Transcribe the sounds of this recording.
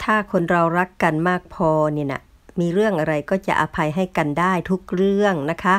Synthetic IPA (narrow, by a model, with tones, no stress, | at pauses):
t̪ʰaː˥˩kʰo˧nɾa˧wɾa˦˥kːa˨nmaː˥˩k̚pʰɔː˧niː˧˩na̰˧ | miː˧ɾɯ˥˩əŋʔa˨˧ɾa˧jkɔː˥˩t͡ɕa̰˧˩ʔa˧pʰa˧jɦa˥˩jka˨ndaː˥˩jt̪ʰu˦˥k̚ɾɯ˥˩əŋna˦˥kʰa˦˥